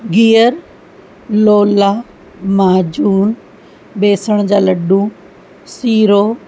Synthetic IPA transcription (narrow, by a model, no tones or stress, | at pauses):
ɡiːjəɾ | loːlaː | maːd͡ʑuːn | ɓeːsəɽ̃d͡ʑaːlɐɖũ | siːɾoː